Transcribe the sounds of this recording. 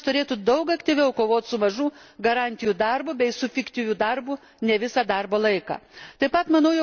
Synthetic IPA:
t̪ʊɾʲeːt̪ʊd̪ɐʊkɐkt̪ʲiʋʲɛʊkoːʋoːt̪ʲsʊmɐʒuːɡɐɾɑnʲt̪ʲɪjud̪ɐrbʊbʲɛɪsʊfʲɪkt̪ʲiʋʲuːd̪ɐrbʊ | nʲɛʋʲɪsɑːd̪ɐrboːlˠɐɪkɑ̰ːt̪ɐɪpɐt̪mɐnɐʊjɛ

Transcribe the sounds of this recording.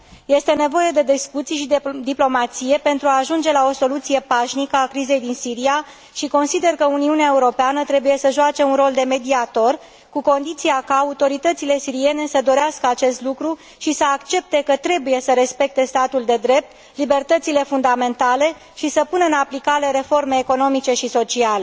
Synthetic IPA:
je̞st̪e̞ne̞vo̞je̞d̪e̞d̪eskut̪sijʃid̪d̪iplo̞mat̪sije̞pe̞nt̪ɾuaːʒund͡ʒe̞lao̞so̞lut̪sije̞paʃnikəakɾize̞jd̪insiɾia | ʃiko̞nsid̪e̞rkəuniuneae̞uɾo̞peanət̪ɾe̞buje̞səʒoat͡ʃe̞unro̞ld̪e̞me̞d̪iat̪o̞r | kuko̞nd̪it̪siakaːut̪o̞ɾit̪ət̪sile̞siɾie̞ne̞səd̪o̞ɾeaskəat͡ʃe̞st̪lukɾu | ʃisəakt͡ʃe̞p̚t̪e̞kət̪ɾe̞buje̞səɾe̞spe̞k̚t̪e̞st̪at̪uld̪e̞d̪ɾe̞p̚t̪ | libe̞rt̪ət̪sile̞fund̪ame̞nt̪ale̞ | ʃisəpunəɨnaplikaɾe̞ɾe̞fo̞rme̞ːko̞no̞mit͡ʃe̞ʃiso̞t͡ʃiale

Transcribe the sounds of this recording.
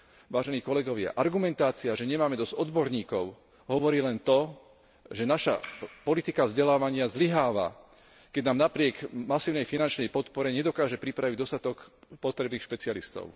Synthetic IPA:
ʋaːʒɛniːkɔlɛɡɔʋɪa̰ʔaɾɡumɛnt̪aːt͡siaʒɛɲɛmaːmɛd̪ɔzɔd̪bɔɾɲiːkɔʊ | ɦɔʋɔɾiːlɛnt̪ɔ | ʒɛnaʃa̰pɔlit̪ikavzɟɛlaːʋaɲɪazliɦaːʋa̰ | kɛɟnaːmnapɾɪɛkmasiːʊnɛjfinant͡ʃnɛjpɔt̪pɔɾɛɲɛd̪ɔkaːʒɛpɾipɾaʋiɟd̪ɔst̪at̪ɔkpɔt̪ɾɛbniːxʃpɛt͡sialist̪ɔ̰ʊ

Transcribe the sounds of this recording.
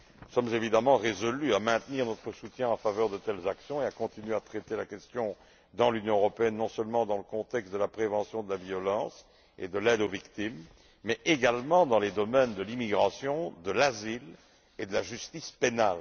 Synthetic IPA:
nusɔmzevid̪amɑ̃ʁezɔlyamɛ̃t̪niʁnɔt̪χəsut̪jɛ̃ɑ̃favœʁd̪ət̪ɛlzaksjɔ̃eakɔ̃t̪inɥeat̪χet̪elakʲɛst̪jɔ̃ | d̪ɑ̃lynjɔ̃øʁɔpeɛnːɔ̃sœlmɑ̃d̪ɑ̃ləkɔ̃t̪ɛkst̪̚d̪əlapχevɑ̃sjɔ̃d̪əlaviɔlɑ̃s | ḛd̪əlɛd̪ovikt̪imː | ɛʔeɡalmɑ̃d̪ɑ̃led̪ɔmɛnd̪əlimiɡʁasjɔ̃d̪əlazil | ed̪əlaʒyst̪ispenal

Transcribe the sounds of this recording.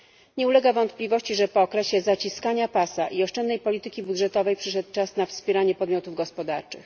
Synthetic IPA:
ɲɛulɛɡavɔnt̪̚plʲivɔɕt͡ɕiʐɛpɔːkɾɛɕɛzat͡ɕiskaɲapasaʔiɔʂt͡ʂɛnd̪nɛjpɔlʲit̪ɘkʲibud̪ʐɛt̪ɔvɛjpʂɘʂɛt̪̚t͡ʂasnafspʲjɛɾaɲɛpɔd̪mʲɔt̪uvɡɔspɔd̪a̰ɾt͡ʂɘ̰x

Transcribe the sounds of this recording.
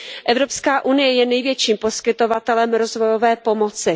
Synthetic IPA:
ʔɛvɾopskaːʔunɪjɛjɛnɛjvjɛt͡ʃiːmpo̞skɪt̪o̞vat̪ɛlɛmɾo̞zvo̞jo̞vɛːpo̞mo̞t͡sɪ

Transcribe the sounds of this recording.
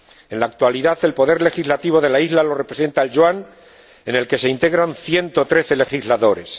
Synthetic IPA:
e̞nlaːk̚t̪waliðaθe̞lpo̞ðe̞ɾle̞xizlat̪iβ̞o̞ðe̞laizlalo̞re̞pɾe̞se̞nt̪aelʒwan | e̞ne̞lke̞se̞int̪e̞ɣɾanθje̞nt̪ot̪ɾe̞θe̞le̞xizlaðo̞ɾe̞̰s

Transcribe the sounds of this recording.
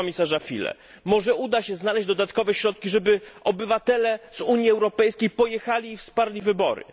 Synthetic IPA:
ɔmʲisaʐafʲḭlɛ̰ | mɔʐɛud̪aɕɛznalɛʑd͡ʑd̪ɔd̪at̪kɔvɛɕɾɔt̪̚kʲiʐɛbɘʔɔbɘvat̪ɛlɛzuɲjiɛwɾɔpɛjskʲejpɔjɛxalʲiːfspaɾlʲivɘbɔɾɘ̰

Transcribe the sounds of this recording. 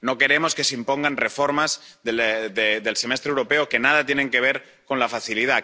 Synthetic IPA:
no̞ke̞ɾe̞mo̞ske̞seimpo̞ŋɡanre̞fo̞ɾmazðeðed̪e̞lse̞me̞st̪ɾewɾo̞pe̞oke̞nað̞at̪je̞nẽ̞ŋke̞β̞e̞ɾ | ko̞nlafaθiliða

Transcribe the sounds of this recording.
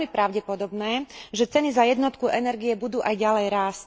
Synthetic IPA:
mipɾaʊɟɛpɔd̪ɔbnɛːʒɛt͡sɛnizajɛd̪nɔt̪kuʔɛnɛɾɡijɛbud̪uːʔajɟalɛjɾaːs

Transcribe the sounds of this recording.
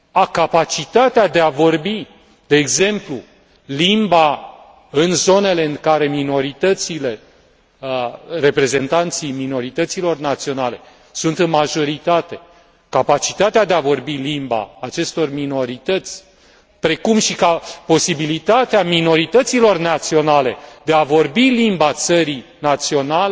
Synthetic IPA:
akapat͡ʃit̪at̪ead̪e̞avo̞rbi | d̪̥e̞ːɡze̞mplu | limba | ɨnzo̞ne̞le̞ɨŋkaɾe̞mino̞ɾit̪ət̪sile̞ | re̞pɾe̞ze̞nt̪ant̪sijmino̞ɾit̪ət̪silo̞rnat̪sio̞nale̞ | sunt̪ɨnmaʒo̞ɾit̪at̪e̞ | kapat͡ʃit̪at̪ead̪eavo̞rbilimba̰ːt͡ʃe̞st̪o̞rmino̞ɾit̪ət̪sʲ | pɾe̞kumʃikapo̞sibilit̪at̪eamino̞ɾit̪ət̪silo̞rnat̪sio̞nale̞d̪e̞avo̞rbilimbat̪səɾinat̪sio̞nale

